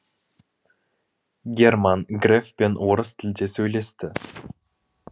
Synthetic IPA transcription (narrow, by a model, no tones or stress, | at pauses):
ɡʲermɑnɡrʲefpʲenʔoɾɤst̪ʲɘ̆lʲd̪ʲesʲøjlʲest̪ʲɘ